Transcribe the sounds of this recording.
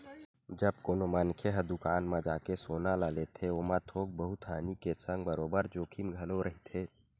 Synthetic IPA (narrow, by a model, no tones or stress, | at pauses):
d͡ʒəb̚koːnomankʰeɦəd̪ʊkaːnmãd͡ʒaːkesoːnalaːlet̪ʰeoːmãt̪ʰoːk̚bəɦut̪ɦaːnikesə̃ŋɡbəɾoːbəɾd͡ʒoːkʰimɡʱəloɾəɦit̪ʰeː